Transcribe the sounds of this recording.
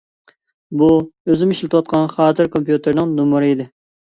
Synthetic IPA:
buøzɪmiʃlɪt̪ɨwɑt̪̚qʰɑnχɑːt̪ʰɨɾkʰompjut̪ʰɨɾnɪŋnumɨɾɨid̪ɪ

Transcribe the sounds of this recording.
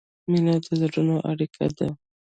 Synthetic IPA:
mɪnad̪əzaɾunoʔa̰ɽikʰa̰d̪a

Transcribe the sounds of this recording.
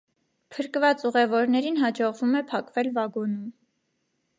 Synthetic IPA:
pʰəɾkvɑt͡suʁɛvɔɾnɛɾinɦɑd͡ʒɔʁvumɛpʰɑkvɛlvɑɡɔnum

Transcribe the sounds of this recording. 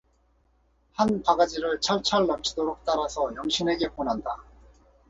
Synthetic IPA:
hanpaɡad͡ʑiɾɯɭt͡ɕʰaɭt͡ɕʰaɭːʌmt͡ɕ͈ʰidoɾok̚t͈aɾasʰʌjʌŋɕʰine̞ɡe̞ponɦanda

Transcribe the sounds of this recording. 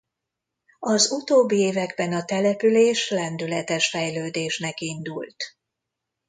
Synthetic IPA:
ɒzut̪oːbːieːvɛɡbɛnɒt̪ɛlɛpyleːʃlɛnd̪ylɛt̪ɛʃfɛjløːd̪eːʃnɛkind̪ult̪

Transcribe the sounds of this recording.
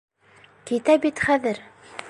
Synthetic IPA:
kit̪æbit̪χæðɘɾ

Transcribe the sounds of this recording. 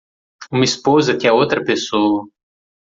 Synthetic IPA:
umɐispozɐt̪ʲɪɛot̪ɾɐpesowɐ

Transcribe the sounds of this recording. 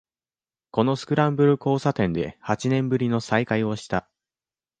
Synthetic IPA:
ko̞no̞sɨ̥kɯ̟ɾãmbɯ̟ɾɯ̟ko̞ːsat̪ẽ̞nd̪e̞̰hat͡ɕinẽ̞mbɯ̟ɾʲino̞saikaio̞ɕi̥t̪a

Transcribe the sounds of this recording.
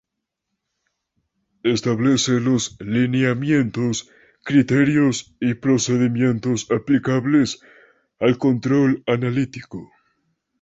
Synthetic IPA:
est̪aβleselo̞slineamje̞nt̪os | kɾit̪eɾjosipɾo̞seðimje̞nt̪o̞saplikaβles | alko̞nt̪ɾo̞lanalit̪iko

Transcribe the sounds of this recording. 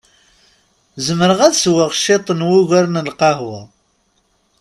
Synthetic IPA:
zəməɾəʁæðswəʁʃet̪ˤənwʊʝəɾnəlqɑɦwa

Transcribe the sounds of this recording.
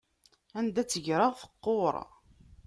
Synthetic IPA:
ænd̪æt͡sːəʝɾəʁfə̥qːoɾˤ

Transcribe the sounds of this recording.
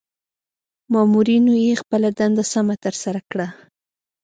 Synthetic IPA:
mɑmuɾinojexpəlad̪and̪asamat̪əɾsaɾakɽa

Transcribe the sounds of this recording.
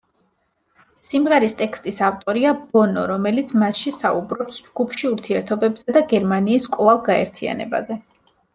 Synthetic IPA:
simʁɛɾist̪ʼɛkst̪ʼisavt̪ʼɔɾiabɔnɔ̰ɾɔmɛlit̪sʰmasʃisaubɾɔpsd͡ʒɡ̥upʰʃiuɾt̪ʰiɛɾt̪ʰɔbɛbz̥ɛd̪aɡɛɾmaniːskʼlˠavˠɡaɛ̰ɾt̪ʰia̰nɛ̰ba̰zɛ

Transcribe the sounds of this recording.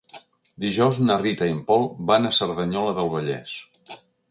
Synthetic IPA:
d̪iʒɔwznərit̪əimpɔlˠβanəsəɾðəɲɔləðəlˠβəʎɛ̰s

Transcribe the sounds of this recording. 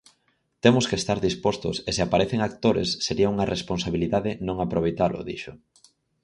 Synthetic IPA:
t̪emʊskest̪aɾðispost̪ʊ̰seseapaɾeθeŋak̚t̪oɾḛsːeɾiɐuŋɐrʔesponsaβiliðaðenõŋapɾoβejt̪alʊ̰ðḭʃʊ

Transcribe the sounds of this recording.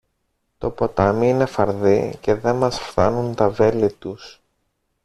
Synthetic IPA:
t̪o̞po̞t̪ɐmiine̞fɐɾðice̞ðe̞mɐsfθɐ̰nunt̪ɐve̞lit̪us

